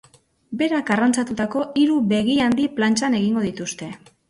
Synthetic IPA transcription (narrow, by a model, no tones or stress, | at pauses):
be̞ɾakarant͡sat̪ut̪ako̞iɾuβe̞ɣ̞iand̪iplant͡ʃane̞ɣiŋɡo̞ðit̪ust̪e̞